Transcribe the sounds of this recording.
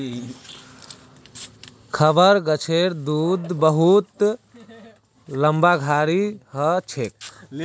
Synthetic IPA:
kʰəbəɾɡət͡ʃʰeɾd̪uːd̪bəɦut̪ | ləmbaɡʱaːɾihət͡ʃʰek

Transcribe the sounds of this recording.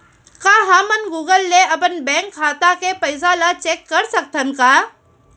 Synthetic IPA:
kaɦãːmənɡuːɡəlːeɐp̬ənbɛ̃ːŋkʰːaːt̪akepɐɪzalat͡ʃeːkːɐɾsək̚t̪ʰənkaː

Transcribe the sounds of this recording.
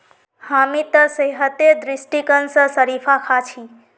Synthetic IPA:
hamit̪əsəɦət̪ed̪ɾisʈikənsə̃səɾipʰakʰat͡ʃʰi

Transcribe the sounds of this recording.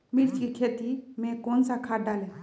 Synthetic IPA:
milt͡ʃkikʰeːt̪imẽkoːnsakʰaːɖaːle

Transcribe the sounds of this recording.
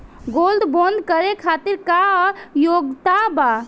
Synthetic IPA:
ɡold̪bõnd̪kəɾekʰat̪iɾkaɔɾjoɡt̪aba

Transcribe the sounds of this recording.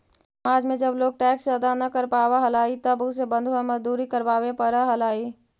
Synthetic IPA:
maːd͡ʒmẽd͡ʒəbloːɡ̚ʈɛːksəd̪anɐkəɾpaːʋaɦəlaːit̪əbʊs̬ebə̃nd̪ʱuamɐzd̪uːɾikəɾʋaːʋepəɾəɦəlaːiː

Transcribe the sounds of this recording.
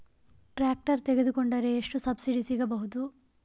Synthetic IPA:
ʈɾaːk̚ʈɐɾt̪eɡe̞d̪ukoɳɖɐɾe̞ːʂʈusɐbsiɖisiɡɐbɐɦud̪u

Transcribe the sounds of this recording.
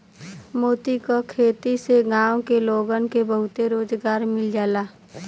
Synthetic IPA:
moːt̪ikokʰeːt̪iseɡãːõkeloːɡənkebəɦʊt̪eɾoːd͡ʒɡaːɾmɪld͡ʒaːlaː

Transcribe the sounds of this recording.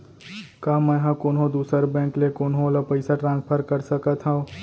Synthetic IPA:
kaːmɛ̃ːɦãkoːnɦõd̪uːsəɾbɛ̃ːŋklekoːnɦõlapəɪsaʈɾãːnspʰəɾkɐɾsəkat̪ʰɦã

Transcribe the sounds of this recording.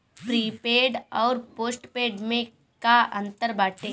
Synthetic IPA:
pɾiːpeːɖɔːɾpoːsʈpeːɖmẽ | kaʔɐ̃nt̪əɾbaːʈẽ

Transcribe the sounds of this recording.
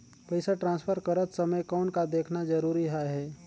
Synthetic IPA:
pəɪsaʈɾãːnspʰəɾkɐɾət̪sɐməjkɔːnkad̪eːkʰnazɐɾuːɾiɦaɦɛː

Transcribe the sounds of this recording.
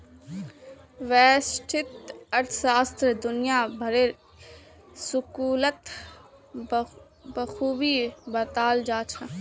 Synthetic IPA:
ʋɛːsʈʰɪt̪ɐɾt̪ʰsaːst̪ɾd̪ʊnɪjaːbʱɐɾeɾ | sʊkuːlət̪ | bəxuːbiːbɐt̪aːld͡ʒaːt͡ʃʰa

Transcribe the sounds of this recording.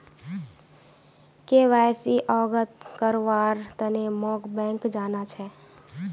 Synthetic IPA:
keʋajsiʔɔːɡət̪kəɾʋaːɾt̪ənemɔːɡbɛ̃ːŋkd͡ʒaːnat͡ʃʰɛ

